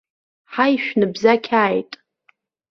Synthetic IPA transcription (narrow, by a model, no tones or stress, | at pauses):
ħajʃᶣnɨbzakʲʰaːjtʼ